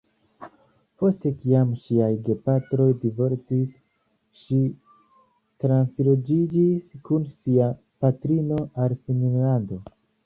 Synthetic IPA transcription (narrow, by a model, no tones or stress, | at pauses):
po̞ste̞kiamʃiajɡe̞patɾo̞jdivo̞ɾt͡sis | ʃi | tɾanslod͡ʒid͡ʒiskunsia | patɾino̞ʔalfininlando̞